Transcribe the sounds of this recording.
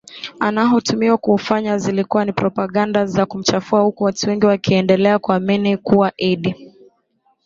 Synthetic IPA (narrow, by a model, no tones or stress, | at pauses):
anaɦutumiwakuːfaɲazilikuwanipɾɔpaɠandazakum̩t͡ʃafuahukuwatuwɛŋɡiwakiɛndɛlɛakuaminikuwaʔiɗi